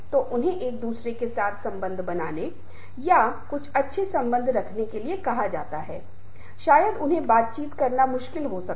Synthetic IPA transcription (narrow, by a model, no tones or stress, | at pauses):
t̪oʔʊnɦẽʔeːk̚d̪uːsɾekesaːt̪ʰsɐ̃mbə̃nd̪ʱbɐnaːne | jakʊt͡ʃʰɐtːʃʰesɐ̃mbə̃nd̪ʱɾɐkʰnekeliekɐɦad͡ʒa̰ːt̪aɦɛː | ʃaːjəd̪ʊnɦẽbaːt̪̚t͡ʃiːt̪kɐɾnamʊʃkɪlɦosɐk